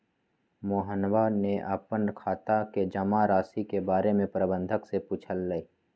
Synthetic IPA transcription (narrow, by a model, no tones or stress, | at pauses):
moːɦənwaneʔaːpənkʰaːt̪aked͡ʒəmaɾaːsikebaːɾemẽpɾəbə̃nd̪ʱəksepuːt͡ʃʰəlːəi